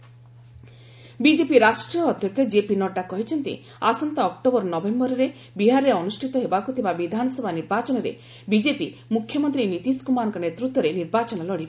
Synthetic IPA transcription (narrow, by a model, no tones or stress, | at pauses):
bid͡ʒepiɾasʈɾiɔːd̪ʱjɔkjɔd͡ʒepinɔʈːakɔɦit͡ʃʰɔnt̪ḭ | asɔnt̪ɔːk̚ʈobɔɾɔnɔbembɔɾɔɾe | biɦaɾɾeɔnusʈʰit̪ɔɦebakut̪ʰibabid̪ʱanɔsɔbʱaniɾbat͡ʃɔnɔɾḛ | bid͡ʒepimukʰjɔmɔnt̪ɾinit̪iskumanɔ̃ŋkɔnet̪ɾut̪wɔɾeniɾbat͡ʃɔnɔlɔɽib